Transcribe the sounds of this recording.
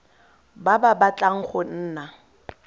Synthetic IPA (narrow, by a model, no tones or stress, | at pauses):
bababat͡ɬʼaŋ̩χʊn̩ːna